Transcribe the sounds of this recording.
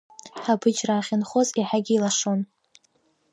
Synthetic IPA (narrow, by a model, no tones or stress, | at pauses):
ħabɨd͡ʒraːχʲɪnχoziħaɡʲiːlaʂon